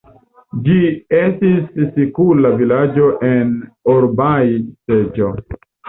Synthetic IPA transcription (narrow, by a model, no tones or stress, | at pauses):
d͡ʒiestisːikulavilad͡ʒoʔenoɾbajsed͡ʒo